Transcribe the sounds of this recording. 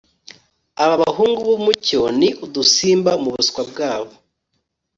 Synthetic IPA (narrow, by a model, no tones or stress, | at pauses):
aβaβaɦuːŋɡuβumuconiʔudusiːmbamuβuskwab̚ɡaːβo